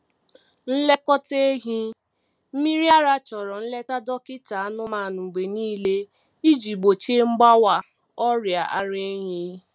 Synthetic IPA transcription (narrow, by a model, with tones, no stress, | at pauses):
n̩˦le˦kɔ˦te˦ɦĩ˦ | m̩˦mĩ˦ɾi˦a˦ɾa˦t͡ʃɔ˨ɾɔ˨n̩˦le˦ta˦dɔ˦ki˦ta˨a˦nʊ̃˦mãː˨nũ˨ɡ͡be˨nĩː˦le˦ | i˦d͡ʒi˨ɡ͡bo˨t͡ʃe˦ŋ͡m̩˦ɡ͡ba˦wa˦ | ɔ˦ɾja˨ʔa˨ɾe˦ɲĩ˦